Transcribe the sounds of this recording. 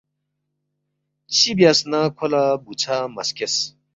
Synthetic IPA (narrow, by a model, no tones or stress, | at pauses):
t͡ɕʰibjasnakʰolabut͡sʰamɐ̰skes